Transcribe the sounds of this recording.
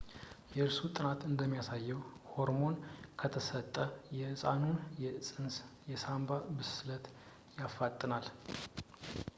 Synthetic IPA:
jɛɨɾsut̪ʼɨnat̪ɨnd̪əmːijasajːɛwho̞ɾmo̞nkʰət̪ʰəsət̪ʼːəjɛsʼa̰nunjɛsʼɨnsjɛsambabɨsɨlət̪ | jafːat̪ʼːɨnal

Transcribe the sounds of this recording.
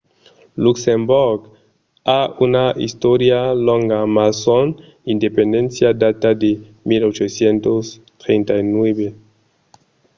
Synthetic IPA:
luksemboɾɡ | aunaʔḭst̪oɾjalõŋɡamason | ind̪epend̪ẽnsjad̪at̪ad̪e | milot͡ʃosjent̪os | t̪ɾent̪ainweβe

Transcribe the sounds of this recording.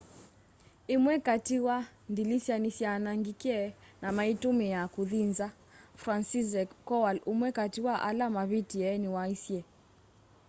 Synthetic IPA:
emwɛkatiwandilisjanisjanaŋɡikɛnamaitumijakuðinza | fɾansizɛkɔwalumwɛkatiwaʔa̰lamaβitiɛniwaisjɛ

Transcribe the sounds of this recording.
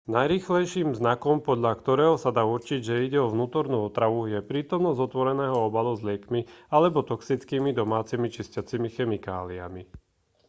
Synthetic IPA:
najɾiːxlɛjʃiːmvznakɔmpɔd̪ʎakt̪ɔɾɛːɦɔsad̪aːut͡ʃiɟʒɛiɟɛɔʋnuːt̪ɔɾnuːɔt̪ɾaʋujɛpɾiːt̪ɔmnɔzɔt̪ʋɔɾɛnɛːɦɔɔbaluzlɪɛkmialɛbɔt̪ɔksit͡skiːmid̪ɔmaːt͡simit͡ʃiscat͡simixɛmika̰ːlia̰mi

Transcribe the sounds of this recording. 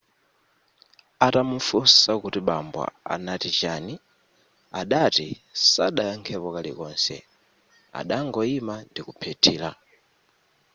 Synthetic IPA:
atamufusakutiɓambwa̰a̰natit͡ʃani | aɗatisaɗajɔŋkʰɛpɔkalḭkɔnsɛ̰ | a̰ɗaŋɡɔimandikupʰɛtʰiːla

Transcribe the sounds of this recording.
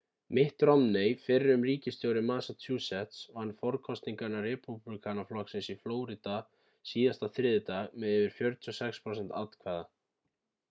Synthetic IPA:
mɪht̪ɾɔmnejfɪrɪʏmriːcɪst̪jowɾɪmaːsat̪ʰjuːsɛht̪sɔhanːfɔɾkʰɔst̪niŋkanarɛpuplikʰanaflɔksɪnsifloːwɾit̪a | siːðast̪aθɾɪðɪt̪amɛðɛːvɪɾ̥fjœɾt̪ʰʏɔsɛkspʰɾowsɛnt̪a̰t̪l̥kʰvɛːða

